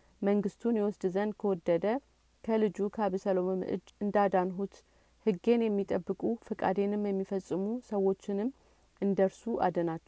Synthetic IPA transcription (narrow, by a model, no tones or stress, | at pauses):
məŋɡɨst̪ʰunjɛwɔsd̪zənkʰəwɔd̪ːəd̪ə | kʰəlɨd͡ʒukʰaβsəlo̞mɨmɨʔɨ̰d͡ʒɨnd̪ad̪anɦut̪ | hɨɡe̞njɛmːit̪ʼəbːɨkʼufɨkʼa̰d̪e̞nɨmjɛmːifəsʼːɨmusəwo̞t͡ʃːɪnɨm | ʔɨnd̪əɾsuʔa̰d̪ənat͡ʃː